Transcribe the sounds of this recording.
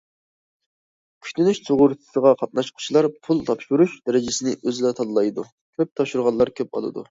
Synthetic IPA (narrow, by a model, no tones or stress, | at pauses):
kʲʰy̥kʲt̪ynyʃsʰoʁʊɾt̪ʰɨ̥səʁɑqʰɑt̪̚nɑʃqʰʊ̥t͡ʃʰilˠɑɾpʰulˠt̪ʰɑpʃuɾuʃd̪æɾɪd͡ʒɪsɪnɪʔøzlɛt̪ʰɑlˠɨlˠɑjd̪u | kʲʰøp̚t̪ʰɑpʃuɾʁɑnlˠɑɾkʲʰøpɑ̰lˠɨ̰d̪ṵ